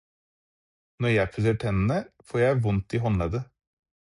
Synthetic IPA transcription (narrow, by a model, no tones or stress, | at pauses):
nɔɾjæɪpʰʉsəʈʰɛnənəfoːɾjæɪʋʊnt̪iːɦɔnlɑd̪ə